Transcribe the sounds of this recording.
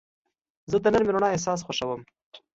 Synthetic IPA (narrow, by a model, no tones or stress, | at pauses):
zəd̪ənəɾmɪɾoɳɑes̬ɑs̬xaʃawəm